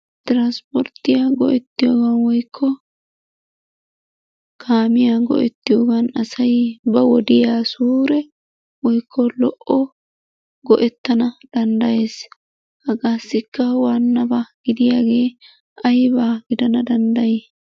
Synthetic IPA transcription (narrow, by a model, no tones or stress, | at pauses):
t̪ɪɾanspɔɾt̪ːɪjaːɡɔ̰ʔɛt̪ːɪjoːɡɐnwɔjkʰːɔ | kʰaːmɪjaɡɔ̰ʔɛt̪ːɪjoːɡɐnɐsɐjbɐwɔd̪ɪjaːsuːɾɛ | wɔjkːɔlɔʔɔ | ɡɔʔɛt̪ːɐnɐd̪̥ɐnd̪ɐje̞ːs | hɐɡaːsːɪkːɐwaːnːɐbaɡ̥ɪd̪ɪjaːɡe̞ː | ɐjbaːɡɪd̪ɐnɐd̪ɐnd̪ɐje